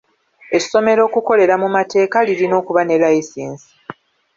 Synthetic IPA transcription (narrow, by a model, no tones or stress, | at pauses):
e̞so̞me̞ɾo̞ːkuko̞le̞ɾamumate̞ːkaliɾino̞ːkuβane̞laisiːnsi̥